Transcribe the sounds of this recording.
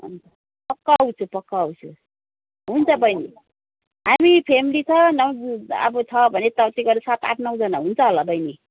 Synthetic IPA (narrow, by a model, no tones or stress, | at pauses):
ɦṵnt͡sʰʌ | pʌkːawt͡sʰupʌkːaːwt͡sʰu | ɦunt͡sʰʌbʌjni | ɦamipʰemilit͡sʰʌnʌwa̰bʌt͡sʰʌbʱʌnet̪ʌt̪iɡʌɾesat̪a̰ʈʰnʌwd͡zʌnaɦunt͡sʰʌɦolʌbʌjni